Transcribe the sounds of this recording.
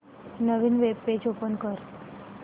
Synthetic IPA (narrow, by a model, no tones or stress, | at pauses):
nəʋiːnʋeb̚ped͡ʒopənkəɾ